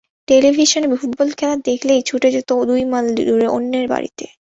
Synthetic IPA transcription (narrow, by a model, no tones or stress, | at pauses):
ʈelibʱiʃonebifuʈ̚bɔlkʰɛlad̪ekʰlejt͡ɕʰuʈed͡ʑot̪od̪ujmalduɾeʔo̰nːeɾba̰ɾḭt̪e